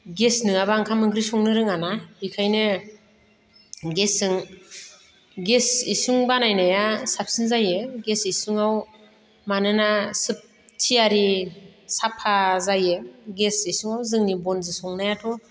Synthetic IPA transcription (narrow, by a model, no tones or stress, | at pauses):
ɡesnɯŋabaaŋkʰamɯŋkʰɾisɔŋnɯɾɯŋanaikʰajnɯ | ɡesɯŋ | ɡesisuŋbanajnajasap̚sinzajɯɡesisuŋaw | manɯnasɯp̚ | tʰijaɾisapʰːazajɯɡesisuŋawzɯŋnibɔnzɯsɔŋnajatʰɔ